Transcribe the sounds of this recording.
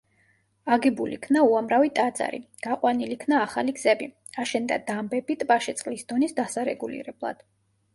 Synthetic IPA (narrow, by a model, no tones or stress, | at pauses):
aɡɛbulḭkʰnauamɾavit̪ʼad̪za̰ɾḭɡ̥aqʼwanilikʰnaːχaliɡz̥ɛbi | aʃɛnd̪a̰d̪ambɛbit̪ʼbaʃɛt̪sʼqʼlisd̪ɔnisd̪asaɾɛ̰ɡulḭɾɛblˠa̰d̪̥